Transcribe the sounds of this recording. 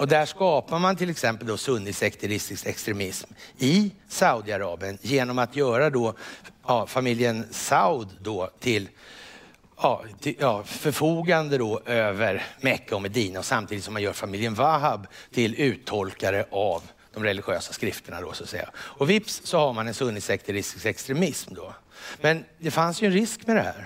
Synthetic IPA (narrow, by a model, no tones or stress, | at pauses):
ɔd̪æʂkɑːpaɾmant̪ʰɪlːɛksɛmpəld̪ɔsɵnːɪsɛkt̪ʰɛɾɪst̪ɪst̪ɛkst̪ɾɛmɪsmɪsaʊd̪ɪaɾɑːbɪənjeːnɔmat̪ʰjœːɾad̪ɔɑːfamɪljənsaʊd̪ːɔt̪ʰɪl | jɑːt̪ʰɪjɑːfœɾfuːɡand̪əd̪ɔʔøːvəɾmɛkːaɔmɛd̪iːnaɔsamt̪iːd̪t̪sɔmːanjœːɾfamɪljənvaɦabt̪ʰɪlʉ̟ːt̪ʰːɔlkaɾəʔav | d̪̥ɔmɾɛlɪɧøːsḁskɾɪft̪ʰəɳa̰d̪ɔ̰sɔat̪sɛ̰jːa̰ɔvɪpssɔhaɾmanɛnsɵnːɪsɛkt̪əɾɪsɪsɛkst̪ɾɛmɪsmd̪ɔmɛnd̪ɛfansjɵɛnɾɪskmɛd̪ɛhæ̰ːɾ